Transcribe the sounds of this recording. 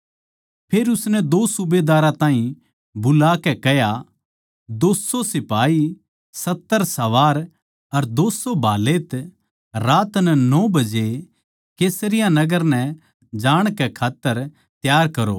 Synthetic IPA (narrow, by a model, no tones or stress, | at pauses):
pʰeːɾʊsnɛd̪oːsʊbed̪aːɾãt̪ãːĩ | bʊlakɛkɛɦja | d̪oːsosɪpaːi | sɐt̪ːəɾsɐʋaːɾ | ɐɾd̪oːsobʱaːlet̪ | ɾaːt̪nɛnɔːbɐd͡ʒe | keːsɾɪjãnɐɡəɾnɛ | d͡ʒaːɽ̃kɛkʰaːt̪ːəɾ | t̪jaːɾkɐɾo̰ː